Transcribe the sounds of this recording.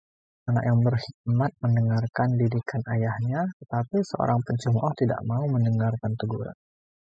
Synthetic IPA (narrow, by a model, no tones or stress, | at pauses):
ʔana̰ʔjaŋbərhik̪̚mat̪̚məndəŋarkandidikʰanajahɲat̪ət̪apisəʔo̰ɾaŋpəɲt͡ʃəmʔɔht̪ida̰ʔmauməndəŋarkant̪əɡuɾa̰n